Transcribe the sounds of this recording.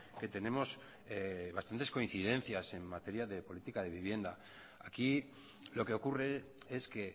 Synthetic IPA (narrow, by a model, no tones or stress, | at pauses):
ke̞t̪e̞ne̞mo̞s | eβast̪ant̪e̞sko̞in̟θið̞e̞nθjase̞mmːat̪e̞ɾjaðe̞po̞lit̪ikað̞e̞βiβ̞je̞nd̪a | aki | lo̞ke̞okure̞e̞ske̞